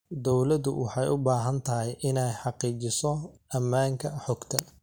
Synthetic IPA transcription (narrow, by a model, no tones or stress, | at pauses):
d̪ɔwlɐd̪ʊ̰wʔɑħɑjʔʊbaːɦɐnt̪ʰɐɦɛjʔɪnɛjħɑqiːt͡ʃɪsɔɐmːaːŋkʰɐħɔɡt̪ʰɐ